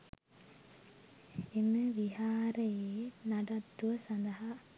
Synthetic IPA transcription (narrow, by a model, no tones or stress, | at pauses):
eməʋiɦaːɾəjeːnaɖat̪ːuʋɐsand̪ɐɦa